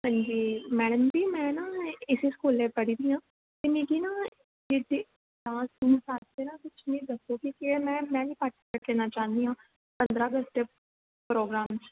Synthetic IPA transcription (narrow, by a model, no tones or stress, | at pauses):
ɦə̃ɲd͡ʒiːmɛːɽəmbiːmɛ̃ːnaɪsiskoːlːepəɽiːd̪iːɦãː | t̪eniːkinaː | d͡ʒed̪e | ãːsuːmsaːt̪tenakʊt͡ʃʰnĩd̪əkokikemɛ̃ːmɛ̃ːbiːpaːʈ | əʈleːnat͡ʃaːnd̪iːɦãː | pə̃nd̪ɾaːɡəst̪e | pɾoːɡɾaːmt͡ʃ